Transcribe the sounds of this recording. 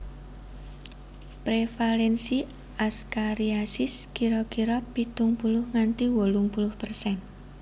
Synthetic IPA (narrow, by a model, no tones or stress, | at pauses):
pɾefalɛnsi | askaɾiasɪskiɾɔkiɾɔpit̪uŋpulʊhŋant̪iwolʊŋpulʊhpərsɛn